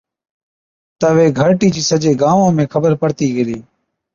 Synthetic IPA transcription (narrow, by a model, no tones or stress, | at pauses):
t̪əʋeːɡʱəɾʈiːd͡ʒiːsəd͡ʒeːɡaːʋõːmẽːkʰəbəɾpəɽt̪iːɡəɾiː